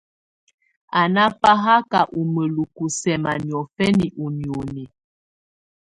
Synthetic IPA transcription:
a˨na˦pa˦ɦa˦ka˨ʔu˨mə˨lu˨ku˨sɛ˨ma˨njɔ˨fɛ˦ni˨ʔu˨ni˨o˨nɛ˨

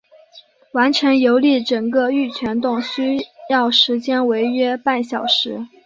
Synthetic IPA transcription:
wa˧˥nʈ͡ʂʰə˧˥ŋjo˧˥ʊli˥˩ʈ͡ʂɤ˨˩ŋkə˥˧y˥˩t͡ɕʰɥɛ˧˥nt̪ʊ˥˩ŋɕy˥jɑ˥˩ʊʂɻ̩˧˥t͡ɕjɛ˥nwe˧˥ɪɥɛ˥pa˥˩nɕjɑ˨˩ʊʂɻ̩˧˥

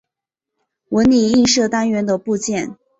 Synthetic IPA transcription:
wə˧˥nni˨˩i˥˧ŋʂɤ˥˩t̪a˥nɥɛ˧˥nd̪ə˧pu˥˧t͡ɕjɛ˥˩n

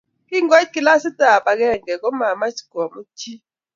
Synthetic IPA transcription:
kʼi˦ŋo˦kʼi˨la˦si˦tʼa˨pʼa˨k̬ɛ˦˨ŋɡɛ˨k̬ʼɔ˦ma˨ma˦t͡ʃi̥˨ɡ̥ɔ˨mu˦tʰi˦

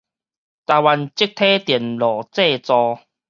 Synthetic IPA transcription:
t̪aː˧wa˧nt͡ɕi˦˥k̚t̪ʰe˦t̪jɛ˨˩nlɔ˨˩t͡se˥˧t͡sɔ˧

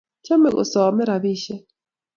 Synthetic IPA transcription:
t͡ʃa˦mɛ˨kɔ̰˨sɔ˨mɛ˦ɾa˨βi˦ʃɛ˦

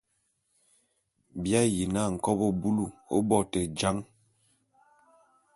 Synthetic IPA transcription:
bja˦ji˨na˦˨ŋ̩˨kɔ˦bɔ˦bu˦lu˦˨o̰˦bɔ˦˨tɛ˨d͡ʒa˦ŋ

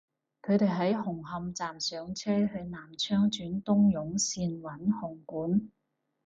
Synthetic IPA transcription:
kʰɵ˨˧ɥt̪e˨jɦɐ˨˥jhʊ˨˩ŋɦɐ˧mt͡saː˨msœː˨˧ŋt͡sʰɛː˥hɵ˧ɥnaː˨˩mt͡ʃʰœː˥ŋt͡ʃyː˨˥nt̪ʊ˥ŋjʊ˨˥ŋsiː˧nwɐ˨˥nhʊ˨˩ŋkuː˨˥n

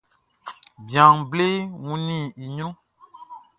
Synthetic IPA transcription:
bjã˨ŋ˨ble˦wũ˦nĩ˦˨i˨ɲõ˦

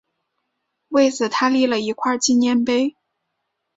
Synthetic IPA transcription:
we˥˩ɪt͡sɹ̩˨˩t̪ʰa˥li˥˩lə˩i˧˥kʰwa˥˧t͡ɕi˥˧njɛ˥npe˥ɪ

